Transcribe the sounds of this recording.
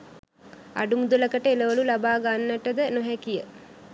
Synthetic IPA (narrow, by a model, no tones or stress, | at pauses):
a̰ɖumud̪uləkəʈəeləʋəlulabaːɡanːəʈəd̪ənoɦɛkijə